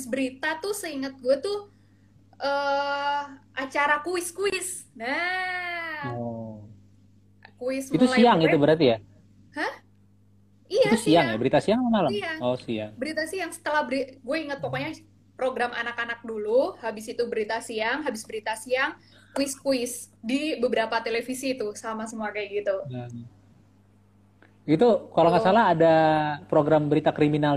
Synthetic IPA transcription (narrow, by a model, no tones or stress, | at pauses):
abɪsbəɾit̪at̪ʊsəiŋət̪̚ɡuat̪ʊ | ʔə | ʔat͡ʃaɾakuɪskuɪsna | ɔ | kuɪsmit̪ulsaiaŋiubəɾart̪ija | həh | iait̪usiaŋjabəɾit̪asiaŋamalamiaɔsia̰ŋbəɾit̪asiaŋsə̥t̪əlahbəɾiɡuɛiŋət̪̚pokɔɲa | pɾoɡɾamʔa̰nakanak̚duluhabɪsit̪ubəɾit̪asiaŋɦabɪsbəɾit̪asiaŋ | kwɪskuɪsdibəbəɾapat̪elefisit̪ʊsamas̬əmuakajaɡit̪uə | it̪ukalaŋasalaɦːdapɾoɡɾambəɾit̪akɾiminal